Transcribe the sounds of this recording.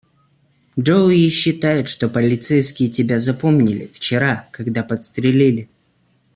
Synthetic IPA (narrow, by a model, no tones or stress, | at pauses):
owiɕːɪt̪ajʊt̪ʂt̪o̞pəlʲɪt̪sɛjskʲɪjətʲɪbʲazɐpo̞mnʲɪlʲɪ̰ft͡ɕɪɾakɐɡd̪apət̪st̪ɾʲɪlʲilʲɪ